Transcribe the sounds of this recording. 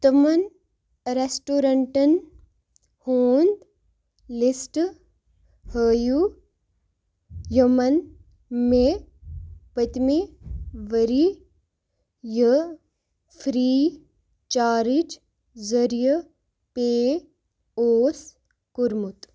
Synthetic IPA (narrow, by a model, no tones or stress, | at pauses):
t̪ɐmɐn | ɾesʈoːɾɐɳʈɐn | hoːnd̪ | lisʈ | həːju | jɐmɐn | me | pət̪miʋəɾi | jə | fʰɾiː | t͡ʃaːɾit͡ʃ | zəɾjɐ | peː | oːs | kuɾmut̪